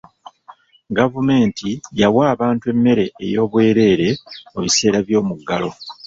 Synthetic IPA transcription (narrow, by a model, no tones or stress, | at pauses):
ɡavume̞ːntijawaːβaːntue̞mːe̞ɾe̞ːjo̞ːβwe̞ːɾe̞ːɾe̞oβise̞ːɾaβjo̞ːmuɡːalo̞